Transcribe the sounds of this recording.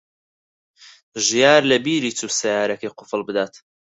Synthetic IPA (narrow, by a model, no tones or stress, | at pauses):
ʒijaːɾlɐbiːɾiːt͡suːsɐjaːɾɐkɐjqʊfɨlˠbɨd̪aːt̪